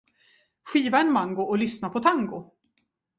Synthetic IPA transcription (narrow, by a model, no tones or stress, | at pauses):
ɧiːvaɛnmaŋɡʊʔɔlʏsnapʰɔt̪ʰaŋɡʊ